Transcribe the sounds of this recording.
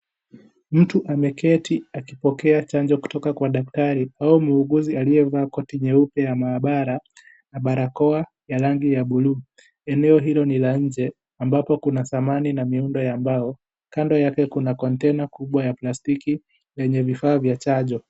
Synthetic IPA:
m̩tuʔamɛkɛtʰiakipɔkɛat͡ʃaɲd͡ʒɔku̥tɔkakwaɗaktaɾiaumuːɡuzialiɛvaːkɔtiɲɛupɛjamaːɓaɾa | naɓaɾakɔa | jaɾaŋɡijaɓuluː | ɛnɛɔɦilɔnilaɲ̩d͡ʒɛ | ambapɔkunaθamaninamiundɔjambaɔ | kandɔjakɛkunakɔntɛnakuɓwajaplastiki | jɛɲɛvifaːvjat͡ʃaʄɔ

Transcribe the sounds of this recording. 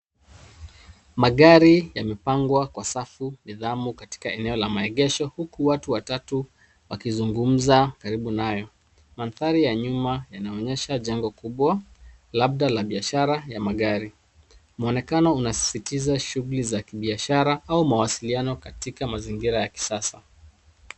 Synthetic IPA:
maɠaɾijamɛpaŋɡwakwasafuniðamukati̥kaɛnɛɔlamaɛɠɛʃɔhukuwatuwatatu | wakizuŋɡum̩zakaɾiɓunajɔ | manθaɾijaɲumajanaɔɲɛʃaʄaŋɡɔkuɓwa | lab̚ɗalaɓiaʃaɾajamaɠaɾi | mɔnɛkanɔunasi̥sitizaʃuɣulizakiɓiaʃaɾaaumawasilianɔkatikamaziŋɡiɾajaki̥sasa

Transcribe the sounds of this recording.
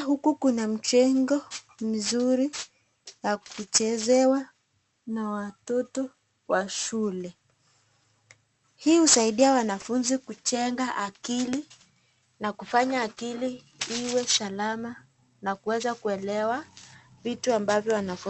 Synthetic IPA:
hukukunam̩t͡ʃɛŋɡɔ | mizuɾi | jakut͡ʃɛzɛwa | nawatɔtɔ | waʃulɛ | hiːhusaiɗiawanafunzikut͡ʃɛŋɡaʔakili | nakufaɲaːkili | iwɛsalama | nakuwɛzakuɛlɛwa | vituambavjɔwanafu

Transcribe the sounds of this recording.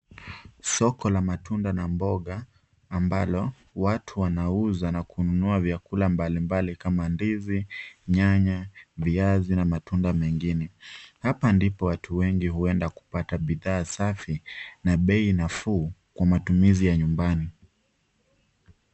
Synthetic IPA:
sɔkɔlamatʰundanambɔɠaː | mbalɔ | watʰuwanauzanakʰununuavjakulambalimbalikamandiziɲaɲaviazinamatundamɛŋɡinɛhapandipɔwatʰuwɛŋɡiɦuɛndaku̥pataɓiðaːsafinaɓɛinafuːkwamatumizijaɲumbani

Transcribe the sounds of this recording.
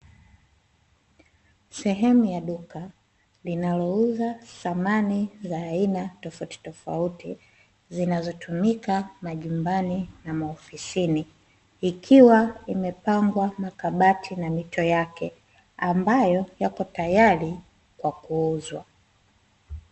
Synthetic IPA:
sɛɦɛmujaɗuka | linalɔuzaθamanizaːinatɔfauti̥tɔfa̰uti | zinazɔtumikamaʄumbaninamaɔfisiniː | kʰiwaimɛpaŋɡwamakaɓatʰinamitʰɔjakɛ | ambajɔjakɔtajali | kwakuuzwa

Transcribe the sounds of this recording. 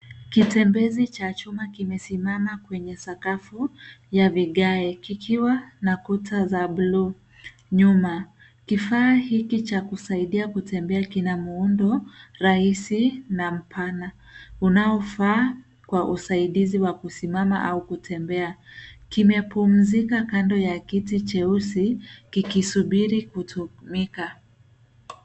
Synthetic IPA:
kitɛmbɛzit͡ʃat͡ʃumakimɛsimamakwɛɲɛsakafujaviɠaɛkikʰiwanakutʰazaɓlu | ɲuma | kifaːhikit͡ʃakusaiɗiakutɛmbɛakinamuundɔɾahisinam̩pʰana | unaɔfaː | kwaʔusaiɗiziwakusimama̰ʔaukutʰɛmbɛakimɛpum̩zikakandɔjakitit͡ʃɛusikikisuɓiɾikutumika

